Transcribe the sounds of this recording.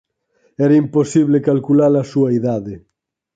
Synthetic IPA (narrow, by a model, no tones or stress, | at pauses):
ɛɾɐimposiβ̞lekalkulaɾlasuɐiðaðe